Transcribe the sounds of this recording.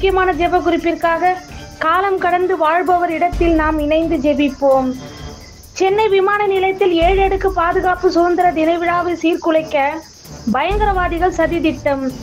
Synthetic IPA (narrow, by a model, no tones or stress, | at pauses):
ʊkːɪjɐmaːnɐd͡ʒɛbɐkʊɾɪpːɪrkaːɣɐ | kaːlɐmkɐɽɐnd̪ɯʋaːɻbɐʋɐɾɪɽɐt̪ːɪlnaːmɪnɐɪnd̪ɯd͡ʒɛbɪpːoːm | t͡ʃɛnːɐɪʋɪmaːnɐnɪlɐɪt̪ːɪleːɻɛɽɯkːɯpaːðɯɣaːpɯsʊʋɐnd̪ɪɾɐd̪ɪnɐɪʋɪɻaːʋɐɪsiːɾkʊɻɐɪkːɐ | bɐjɐŋɡɐɾɐʋaːðɪɣɐɭsɐðɪðɪʈːɐm